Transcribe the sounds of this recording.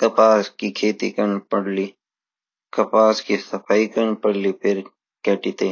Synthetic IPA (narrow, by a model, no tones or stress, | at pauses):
kɐpaːskikʰeːt̪ḭkɐnpɐɽli | kɐpaːskisɐpaːikɐnpɐɽlipʰɪɾ | keʈit̪eː